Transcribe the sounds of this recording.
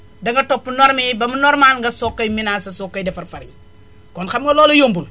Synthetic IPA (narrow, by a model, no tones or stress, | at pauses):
dɐŋɡɐtopːunɔɾmibɐmunɔɾmaːlŋɡɐsokːɐjminasɐsokːɐjdɛfɐɾfɐɾiŋ | kɔnxɐmŋɡɐlɔːlojombul